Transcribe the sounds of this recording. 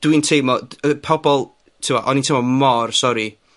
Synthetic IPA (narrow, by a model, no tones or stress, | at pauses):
d̥wintʰeːmɔəpʰɔbɔlˠ | tʰɪwaʔɔnintʰemɔmɔrsɔɾi